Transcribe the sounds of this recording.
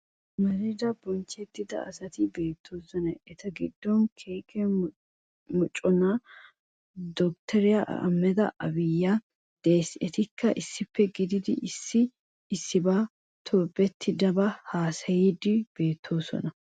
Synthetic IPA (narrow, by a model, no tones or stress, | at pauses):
mɐɾid̪ɐbɔnt͡ʃːɛt̪ːɪd̪ɐ̰ɐ̰sɐt̪ɪbe̞ːt̪ʰːoːsɔnɐʔɛt̪ɐɡɪd̪ːɔnkʰeːkʰɛ | mʊt͡ʃʼːɔna | d̪ɔk̚t̪ʰɛɾɪjaʔɐmːɛd̪ɐ̰ʔɐbɪjːa | d̪̥eːsɛt̪ɪkʰːɐʔɪsːɪpʰːɛɡɪd̪ɪd̪ɪʔɪsːɪː | sːɪbaː | t̪ʰoːbɛt̪ʰːɪd̪ɐbɐhaːsɐjid̪ɪb̥e̞ːt̪ʰːo̞ːsɔ̰nɐ